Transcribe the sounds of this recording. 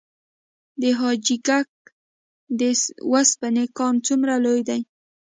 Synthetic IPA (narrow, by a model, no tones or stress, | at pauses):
d̪eɦɑd͡ʒɪɡak̚ | d̪ewaspanekɑnt͡sʊmɾalojd̪aj